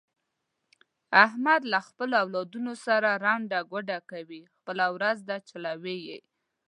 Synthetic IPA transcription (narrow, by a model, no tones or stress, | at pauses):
ahmad̪laxpəloawlɑd̪unosaɾaɾɑɳɖaɡaɖakawixpəlawɾazd̪at͡ʃalawejḛj